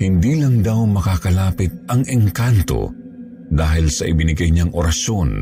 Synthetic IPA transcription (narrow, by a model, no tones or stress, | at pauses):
hɪnd̪iːlɐŋd̪awmɐkaːkɐlaːpɪt̪̚ɐŋʔɛŋkant̪o̰ | d̪aːɦɪlsɐʔɪbɪnɪɡɐjɲaŋʔoɾɐʃon